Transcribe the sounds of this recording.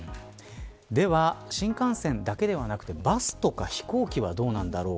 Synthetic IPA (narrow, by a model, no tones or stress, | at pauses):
d̪e̞βaɕĩŋkãɰ̃sẽ̞nd̪ake̞d̪e̞β̞anakɯ̟̥t̪e̞basɨ̥t̪o̞kaçi̥ko̞ːkʲiβad̪o̞ːnãnd̪aɾo̞ː